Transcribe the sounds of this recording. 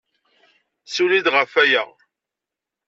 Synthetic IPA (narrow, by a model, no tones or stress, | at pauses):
sulid̪ʁəfæjæ